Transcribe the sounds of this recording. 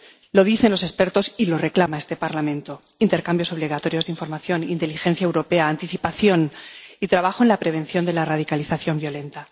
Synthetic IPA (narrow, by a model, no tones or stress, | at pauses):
lo̞ð̞iθenlo̞se̞spe̞ɾt̪o̞silo̞re̞klamae̞st̪e̞paɾlamẽnt̪o | int̪e̞ɾkambjo̞so̞β̞liɣ̞at̪o̞ɾjo̞zðiɱfo̞ɾmaθjo̞nint̪e̞lixe̞nθjaewɾo̞pe̞aːnt̪iθipaθjo̞nit̪ɾaβaxo̞e̞nlapɾe̞β̞e̞nθjo̞nd̪e̞larað̞ikaliθaθjo̞mbjo̞le̞nt̪a